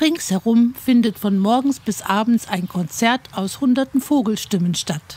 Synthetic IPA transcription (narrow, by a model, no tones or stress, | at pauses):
ʁɪŋshɛʁʊmfɪndətfɔnmɔɐɡŋ̩sb̥ɪsʔaːbn̩t͡saɪnkʰɔnt͡sɛɐtaʊshʊndɐtn̩foːɡl̩ʃtɪmənʃtat